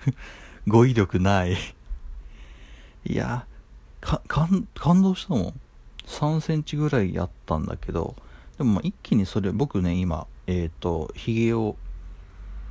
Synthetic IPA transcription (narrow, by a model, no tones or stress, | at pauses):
ɡo̞iɾʲjo̞kɯ̟nai | ḭja̰ | kʰakʰãnkʰãnd̪o̞ːɕi̥t̪amõ̞̰ | sãɰ̃sẽ̞ɲ̟t͡ɕiɡɯ̟ɾaija̰t̪ːãnd̪a̰ke̞d̪o̞̰d̪̥e̞mo̞maʔikʲːiɲ̟iso̞ɾe̞bo̞kɯ̟ne̞ima̰eːt̪ːo̞̰çiɡeo̞